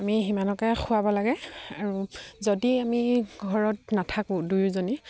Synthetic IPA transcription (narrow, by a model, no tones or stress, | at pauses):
amiɦimanɔkaxʊabɔlaɡɛaɹuzodiamiɡʱɔɹɔtnatʰakʊ̃dujzoni